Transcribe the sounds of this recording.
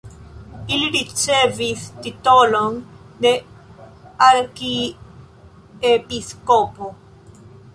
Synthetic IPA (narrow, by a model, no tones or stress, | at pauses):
iliɾit͡sevistitolon | de | aɾki | episkopo